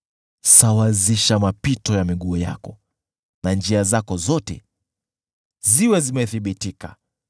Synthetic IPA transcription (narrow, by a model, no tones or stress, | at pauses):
sawaziʃamapitɔjamiɠuɔja̰kɔ | nand͡ʒiazakɔzɔtɛ̰ | ziwɛzimɛθiɓitika